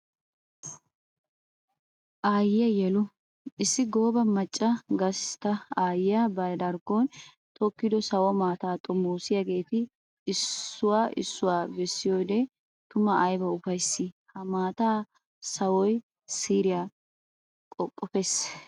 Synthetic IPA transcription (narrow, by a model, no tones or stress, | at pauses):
ʔaːjɪjɐjɛlʊ | ʔɪsːɪɡoːbɐmɐt͡ʃʼːɐɡɐst̪ɐaːjɪjɐbɐd̪ɐɾkoːn | t̪ʰʼɔkːɪd̪ɔsɐwɔmaːt̪aːt̪ʼɔmːoːsɪjɐɡe̞ːt̪ɪː | sːʊwaːʔɪ̰sːʊwaːbɛsːɪjoːd̪ɛ | t̪ʊmɐʔːjbɐʊfɐjsːɪhɐmaːt̪aː | sɐwɔj | siːɾɪja | kʼɔkʼːɔfes